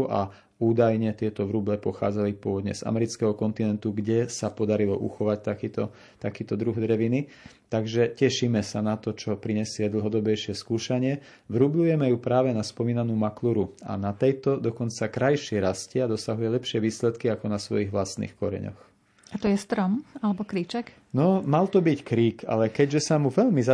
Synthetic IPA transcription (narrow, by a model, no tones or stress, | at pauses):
ʔa̰ | uːd̪ajɲɛt̪ɪɛt̪ɔʋɾublɛpɔxa̰ːd͡zalipʊɔʋɔd̪ɲɛ̰z̥a̰mɛɾit͡skɛɦɔkɔnt̪inɛnt̪uɡɟɛsapɔd̪aɾilɔ̰ʔṵxɔʋact̪akiːt̪ɔ | t̪akiːt̪ɔd̪ɾuɣd̪ɾɛʋini | t̪aɡʒɛcɛʃiːmɛsanat̪ɔt͡ʃɔpɾiɲɛsɪɛd̪l̩ˠɦɔd̪ɔbɛjʃɪɛskuːʃaɲɪɛ | ʋɾublujɛmɛjupɾaːʋɛnaspɔmiːnanuːmakluɾua̰nat̪ɛjt̪ɔd̪ɔkɔnt͡sakɾajʃɪɛɾascɛad̪ɔsaɦujɛlɛpʃɪɛʋiːslɛt̪kiakɔnasʋɔ̰jiɣʋlast̪nḭːxkɔɾɛ̰ɲɔ̰x | at̪ɔjɛst̪ɾɔmalɛbɔkɾiːt͡ʃɛk | nɔmalt̪ɔbickɾiːkʰa̰lɛkɛɟʒɛsamuʋɛʎmiz